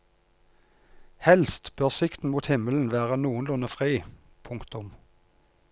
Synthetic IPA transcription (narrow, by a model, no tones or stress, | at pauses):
hɛlst̪b̥øʁsɪkt̪n̩muːt̪hɪməln̩ʋæːʁənuːənlʊnəfʁiː | pʰʊŋkt̪ʊm